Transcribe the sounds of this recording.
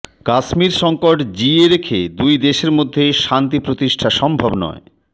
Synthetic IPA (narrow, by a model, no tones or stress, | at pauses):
kaʃmiɾʃɔŋkoʈd͡ʑieɾekʰed̪ujd̪eʃeɾmod̪ʱːejʃant̪ipɾot̪iʃʈʰaʃɔmbʱabnɔ̰e